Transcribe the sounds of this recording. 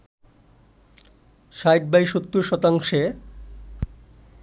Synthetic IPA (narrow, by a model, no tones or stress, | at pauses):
ʃajʈ̚bajʃot̪ːuʃɔt̪aŋʃe